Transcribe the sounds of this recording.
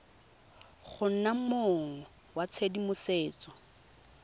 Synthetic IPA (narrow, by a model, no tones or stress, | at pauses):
χʊn̩nam̩moŋŋɔ | wat͡sʰedimʊseːt͡sʼɔ̥